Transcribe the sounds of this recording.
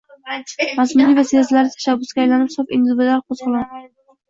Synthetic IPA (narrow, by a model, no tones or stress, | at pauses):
masmʊd̪ivasezlaɾɪt̪ʰḁʃabːʊsɡʲajlanɪphsɒpɪ̰nzʊbɪd̪aqʰoz̥qʰʊlˠan